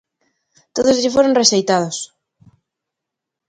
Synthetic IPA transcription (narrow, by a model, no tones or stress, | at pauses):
t̪oðʊzʎɪfoɾoŋreʃejt̪að̞ʊs